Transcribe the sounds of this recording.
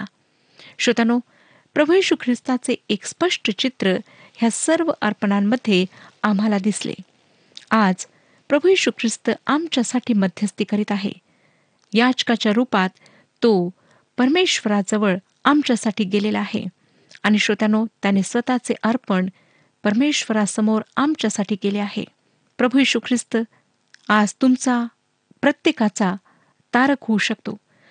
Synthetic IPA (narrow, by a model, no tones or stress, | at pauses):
ɕʋət̪ano | pɾəbʱujiɕukʰɾist̪at͡seekspəʂʈət͡ɕit̪ɾə | ɦjasəɾʋəʔəɾpəɳamːəd̪ʱːjeam̤alad̪islḛ | ad͡z | pɾəbʱujiɕukʰɾist̪əamt͡ɕasaʈʰiːməd̪ʱjəst̪ikəɾiːt̪aɦḛ | jad͡ʑkat͡ɕjaɾupat̪ː | o | pəɾmeɕʋəɾad͡zəʋəɭ | amt͡ɕjasaʈiːɡeleleaɦḛ | aɽ̃iɕət̪anot̪janesʋət̪at͡seʔəɾpəɳ | pəɾmeɕʋəɾasəmoɾamt͡ɕjasaʈʰiːɡeleaɦḛ | pɾəbʱujeɕukʰɾist̪ə | ad͡zt̪umt͡sa | pɾət̪jekat͡sa | t̪aɾəkɦouɕək̚t̪o̰